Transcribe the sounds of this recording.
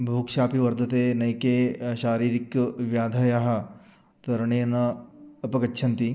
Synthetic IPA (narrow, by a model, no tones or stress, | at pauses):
bʱuːkʃaːpiʋɐɾd̪ʱɐt̪eːnɐjkeːʃaːɾiːɾikʋjaːd̪ʱɐjaɦɐ̆ | t̪ɐɾɐɳeːnɐɐpɐkɐtːʃʰɐnt̪i